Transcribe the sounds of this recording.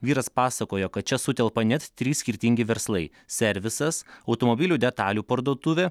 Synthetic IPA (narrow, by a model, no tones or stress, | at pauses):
ʋʲiːɾɐspɑːsɐkoːjokɐt̪t͡ʃʲɛsʊt̪ʲɛlˠpɐnʲɛt̪t̪ʲɾʲiːsʲkʲɪɾʲt̪ʲɪŋʲɡʲɪʋʲɛɾslˠɐɪ | sʲɛɾʲʋʲɪsɐsɐʊt̪omobʲɪlʲuːd̪ʲɛt̪ɑːlʲuːpɐɾd̪uɔːt̪ʊʋʲeː